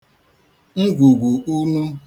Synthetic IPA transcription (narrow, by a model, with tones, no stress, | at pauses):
ŋ̩˦ɡʷu˨ɡʷu˨u˦nu˦